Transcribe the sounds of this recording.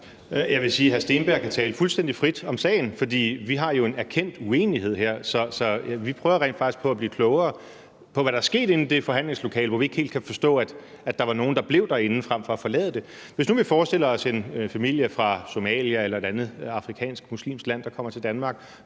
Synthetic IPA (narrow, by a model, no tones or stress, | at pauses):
jɑ̈ʋe̝siːɦæɐsd̥e̝ːnb̥æɐkʰæt͡sʰɛːləfulsd̥en̰d̥ifʁid̥ɒ̽msɛ̰ɪn̩fɒ̽d̥ḭːʋiɦɑ̈jo̝e̝næɐkʰen̰d̥ue̝̰ːnihe̝ð̞̰ˠheɐ̰sɒ̽sɒ̽ʋipʰʁœːʊɐʁḛndfɑ̈ɡ̥isɡ̥pʰɒ̽æbliːkʰlɔʊɐː | pʰɒ̽ʋæɾɑ̈æɐsɡ̥e̝̰ːd̥e̝n̩d̥e̝fɒ̽ɦæn̰leŋslo̝kʰɛ̰ːləʋɒʋie̝ɡ̥e̝̰ːld̥kʰæfɒ̽sd̥ɔ̰̽ːæd̥ | æd̥ɑ̈ʋɑ̈no̝ːn̩d̥ɑ̈b̥le̝ʊd̥æe̝nn̩fʁam̰fɒ̽æfɒ̽lɛ̰ːðˠd̥e̝ʋe̝s̬nuʋifɒːsd̥e̝ləɒ̽se̝nfæmil̰jəfʁɑ̈so̝mɛ̰ːljæelɐe̝ɾ̥ænð̩ˠɑ̈fʁikʰɛ̰ːnsɡ̥̚muslḭːmsɡ̥læn̰d̥ɑkʰɒ̽m̰ɐt͡sʰe̝ld̥ænmɑ̈ːɡ̥